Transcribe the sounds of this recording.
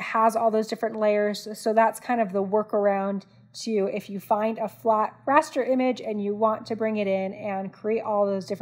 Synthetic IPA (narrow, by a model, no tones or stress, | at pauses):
həzɔlˠðoʊzdɪfɹɨ̃nʔleɪə˞z̥soʊðætskʰãɪ̃ndʌvðəwɜ˞kə˞ãʊ̃n | tʰʉɪfjɨfãɪ̃ndəflæt̚ɹæstə˞ʔɪ̃mɪd͡ʒɨ̃njɨwɑ̃ntʰɨbɹɪ̃ŋɨɾɪ̃nɨ̃nkʰɹ̥ieɪɾʔɔlˠðoʊzdɪf